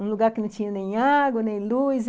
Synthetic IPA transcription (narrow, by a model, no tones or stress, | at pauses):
ũluɡaɾkɪnũt͡ʃĩɲãnẽjɲaɡonẽjluiz